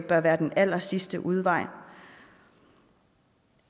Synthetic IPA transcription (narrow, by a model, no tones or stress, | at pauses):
b̥ɶɐʋæːɐd̥enæl̰ɐsisd̥əʔuð̞ˠʋɑ̈ɪ̰